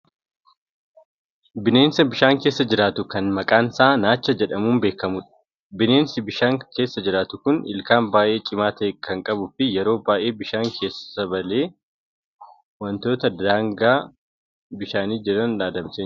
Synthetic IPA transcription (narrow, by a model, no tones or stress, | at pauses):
bɪne̞ːnsɐbɪʃaːŋke̞ːsːɐd͡ʒɪɾaːt̪ʊkɐnmɐkʼaːnsaːnaːt͡ʃːɐd͡ʒɛᶑɐmuːnbe̞ːkːɐmʊᶑɐ̥ | bɪne̞ːnsɪbɪʃaːŋke̞ːsːɐd͡ʒɪɾaːt̪ʊkʊnɪ̰lkaːmbaːjʔe̞ːt͡ʃʼɪmaːt̪ɐkʰɐŋkʼɐbʊfɪjɛɾo̞ːbaːʔe̞ːbɪʃaːŋkʰe̞ːsːɐ̥sɐbɐle̞ː | wɐnt̪o̞ːt̪ɐd̪aːŋɡaː | bɪʃaːniːd͡ʒɪɾɐnlaːd̪ɐmseː